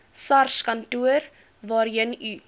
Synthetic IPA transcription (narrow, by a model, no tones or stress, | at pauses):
sɐrskɐntuəɾ | vɑːɾjəny